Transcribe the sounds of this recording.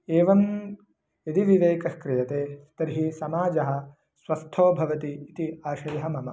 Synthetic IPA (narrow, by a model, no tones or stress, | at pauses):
eːʋɐm | jɐd̪iʋiʋeːkɐhkɾijɐt̪eːt̪ɐɾɦisɐmaːd͡ʒɐɦɐ̆ | sʋɐst̪ʰoːbʱɐʋɐt̪iːt̪iaːʃɐjɐɦɐmɐmɐ